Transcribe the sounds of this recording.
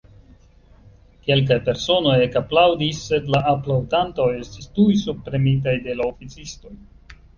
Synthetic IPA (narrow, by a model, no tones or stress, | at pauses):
ke̞lk̬ajpe̞ɾso̞no̞jekaplawdisːe̞dlaʔːplawdanto̞je̞stistujsub̚pɾe̞mit̬ajde̞laofit͡sisto̞j